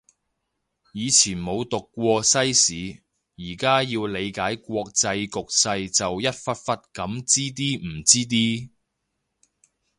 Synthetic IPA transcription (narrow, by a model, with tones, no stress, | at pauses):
jiː˨˧t͡sʰiː˨˩nmo˨˧wt̪ʊ˨kːʷɔː˧sɐ˥jsiː˨˥ | jiː˨˩kaː˥jiː˧wle˨˧jkaː˨˥jkʷɔː˧k̚t͡sɐ˧jkʊ˨k̚sɐ˧jt͡sɐ˨wjɐ˥t̚fɐ˥t̚fɐ˥t̚kɐ˨˧˥mt͡siː˥t̪̬iː˥m̩˨˩t͡siː˥t̪̬iː˥